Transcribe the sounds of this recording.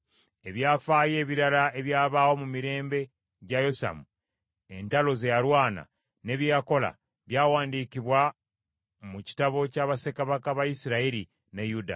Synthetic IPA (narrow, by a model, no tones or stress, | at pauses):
e̞βjaːfaːje̞ːβiɾalae̞βjaːβaːwo̞mumiɾe̞ːmbe̞ | ɟajo̞sa̰mu | e̞ntalo̞ze̞jalwaːna̰ | ne̞βjaako̞la̰ | βjaːwaːndiːkiβwa | muci̥taβo̞caːβase̞kaβakaβajisiɾaiɾi | nejuda̰